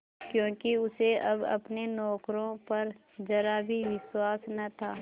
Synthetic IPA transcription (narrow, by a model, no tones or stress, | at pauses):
kjõːkiʊseɐbɐ̰pnenɔːkɾõpɐɾ | d͡ʒɐɾabʱiʋɪswaːsnɐt̪ʰaː